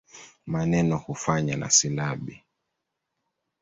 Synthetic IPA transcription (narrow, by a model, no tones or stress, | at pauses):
manɛnɔhufaɲana̰silaɓi